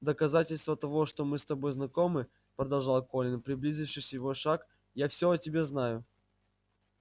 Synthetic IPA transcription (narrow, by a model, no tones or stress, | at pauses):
d̪əkɐzatʲɪlʲst̪vət̪ɐvo̞ʂt̪omɨst̪ɐbo̞jznɐkomɨ | pɾəd̪ɐlˠʐɑlˠko̞lʲɪnpɾʲɪblʲizʲɪfʂɨjsʲəjɪvoʂak | jafsʲoɐtʲɪbʲe̞znajʊ